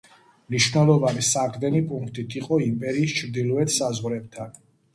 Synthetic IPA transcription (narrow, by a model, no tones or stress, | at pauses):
mniʃvnɛlˠɔvanisaʁɾd̪ɛnipʼuŋkʰt̪ʼit̪ʰiqʼɔimpʼɛɾiːst͡ʃʰɾd̪ilˠɔɛt̪ʰsazʁɾɛb̚t̪ʰan